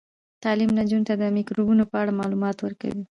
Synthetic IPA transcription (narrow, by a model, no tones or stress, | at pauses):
t̪ɑlimnad͡ʒunt̪ad̪əmɪkɾubunopəaɽamɑlumɑt̪wəɾka̰wi